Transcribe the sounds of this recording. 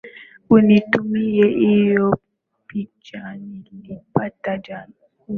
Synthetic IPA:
unitumijɛʔijɔ | pit͡ʃanilipatad͡ʒa

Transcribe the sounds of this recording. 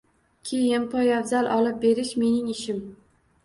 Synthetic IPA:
kʲʰe̞jɪnpʰɒjavzalˠʔɒlɪp̚be̞ɾɪʃme̞nɪŋɪʃɪm

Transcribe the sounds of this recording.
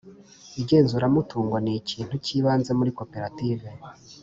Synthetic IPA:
iɟe̞ːnzuɾamutʰuːŋɡwaniciːn̥huciːβaːnze̞muɾiko̞pe̞ɾative̞

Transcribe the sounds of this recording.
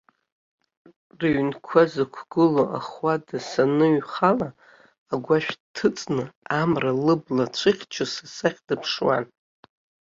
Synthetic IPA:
raɥnkʷʰazɨkʷʰɡɨloʔa̰χwadasanɨɥχalaː | ɡʷaʃᶣtʰɨt͡sʼnɨamralɨblat͡ʃʷʰɨχʲt͡ʃʷʰasasaχʲdɨpʰʂwa̰n

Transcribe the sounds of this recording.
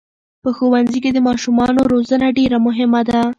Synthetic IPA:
pəxowanziked̪əmɑʃumɑnoɾozənaɖeɾamʊɦɪmad̪a

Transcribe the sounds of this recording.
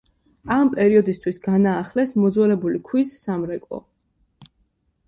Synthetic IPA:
ampʼɛɾiɔd̪ist̪ʰwisɡanaːχlɛsmɔd̪zwɛlɛbulikʰwisːamɾɛkʼɔ̰

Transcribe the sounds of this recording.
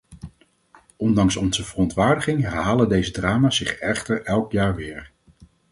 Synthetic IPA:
ʔɔndɑŋsɔnzəvərɔntʋaːɹdəχɪŋɦɛɹɦaːlədejzədraːmaːsɪχɛχtəɹɛlˠkjaːɹʋɪːɹ

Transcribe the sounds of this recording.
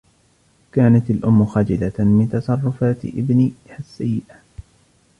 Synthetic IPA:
kaːnat̪alʔʊmːʊxad͡ʒɪlamɪnt̪ɑsˤɑrˤːʊfaːt̪ʔɪ̰bnihasːajːɪʔa

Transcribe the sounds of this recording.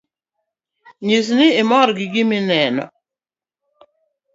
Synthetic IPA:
ɲis̬nɪɪmɔɾɡɪɡɪmɪnɛnɔ̰

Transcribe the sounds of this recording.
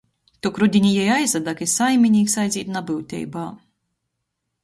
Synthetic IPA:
t̪ɔkɾud̪ʲinʲijɛjajzɐd̪akisajmʲinʲiːksajzʲiːt̪nabɨwt̪ʲɛ̰jbaː

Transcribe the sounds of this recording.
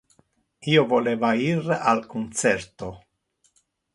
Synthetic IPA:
iovoleːvairalkunt̪sɛɾt̪o

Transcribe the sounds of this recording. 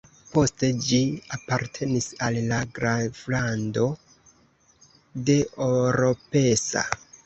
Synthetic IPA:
po̞ste̞d͡ʒiapaɾtʰe̞nisalːaɡɾaflando̞ | de̞ʔoɾo̞pe̞sa̰

